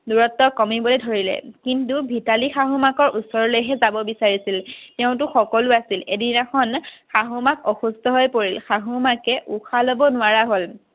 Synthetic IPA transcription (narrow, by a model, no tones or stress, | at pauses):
duɹɔtːɔkɔmibɔlejdʱoɹilɛ̰kintubʱitalixaɦʊmakɔɹusɔɹɔlojɦɛzabɔbisaɹisiltɛʊ̃t̬ʊxɔkɔlʊasilediaxʰɔnxaɦumakɔxustʰɔɦojpoɹilxaɦʊmakɛʔuxʰalɔbɔnʊwaɹaɦol